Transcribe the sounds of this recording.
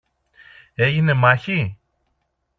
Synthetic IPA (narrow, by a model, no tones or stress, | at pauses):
e̞ʝine̞mɐçi